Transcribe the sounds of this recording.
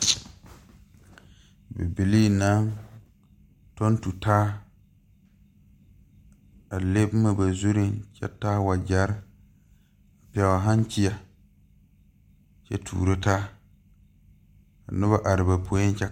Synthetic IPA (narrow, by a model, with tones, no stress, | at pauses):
bɛ̰˨bi˨li˦na˦ŋ | tɔ˦n˦tu˨taː˦ | a˨le˦bma˨ba˨zu˦ɾi˦nt͡ʃɛ̰˦taː˦wa˨d͡ʒa˦ɾ | a˨pɪ˨a˨wa˨ɦã˦n˦t͡ʃi˦a˨ | t͡ʃɛ̰˦tʰṵː˨ɾo˦taː˦ | a̰˨nʊ˦ba˨ʔa˨ɾɪ˨ba˨pʰo˨˦i˦n˦t͡ʃɛ˦